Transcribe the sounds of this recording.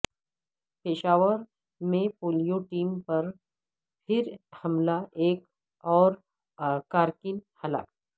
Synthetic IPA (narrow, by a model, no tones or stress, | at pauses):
peːʃaːʋəɾ | mẽpoːlijoʈiːmpɐɾ | pʰɪɾhɐmlaʔeːk | ɔːɾ | kaːɾkɪnhɐla̰ːk̚